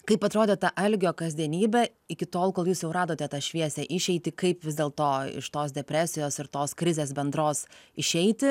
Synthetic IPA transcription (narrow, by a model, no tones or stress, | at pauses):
kɐɪpɐt̪ɾoːd̪ʲeːt̪ɐʔɐlʲɡʲoːkɐzʲd̪ʲiɛnʲiːbʲɛ | ɪkʲɪt̪oːlˠkoːlˠjuːsjɛʊɾɑːd̪oːt̪ʲɛt̪ɐʃʲʋʲiɛsʲɛʔɪʃʲɛɪt̪ʲɪkɐɪpʋʲɪzd̪ʲeːlˠt̪oːɪ̰ʃt̪oːsd̪ʲɛpʲɾʲæːsʲɪjoːsɪɾt̪oːskɾʲɪzʲeːsbʲɛnd̪ɾoːsɪʃʲɛɪt̪ʲɪ